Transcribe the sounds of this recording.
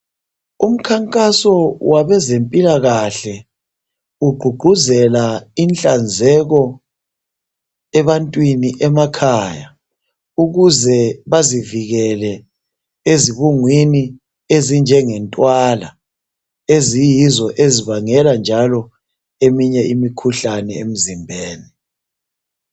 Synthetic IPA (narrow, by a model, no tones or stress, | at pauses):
um̩kʰaŋkʼasɔwaβɛzempʼilaɣaɬɛ | uɡ͡ǃʱuɡ͡ǃʱuzɛlaint͡ɬʼand͡zʱɛɣɔ | ɛβantʼwiniʔɛmakʰaja | uɣuzɛβaziviɣɛlɛ | eziβuŋwini | ezind͡ʒʱɛŋɛntʼwala | ezijizɔʔeziβaŋɛland͡ʒʱalɔ | emiɲɛʔimikʰuɬanɛḛm̩zimbʱeːni